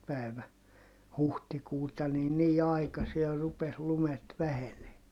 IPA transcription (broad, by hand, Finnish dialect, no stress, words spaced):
pæˑi̯ʋæ huhtikuːtɑ ni niː ɑikɑsier rupes lumet ʋæheneː